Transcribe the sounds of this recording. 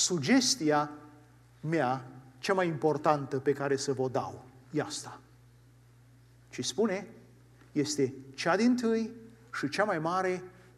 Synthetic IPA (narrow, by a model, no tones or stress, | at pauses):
sud͡ʒe̞st̪ia | meat͡ʃamajimpo̞rt̪ant̪əpe̞kaɾe̞səvod̪a̰w | jast̪ḁ | t͡ʃispune̞ | je̞st̪e̞t͡ʃad̪int̪ɨj | ʃit͡ʃamajmaɾe̞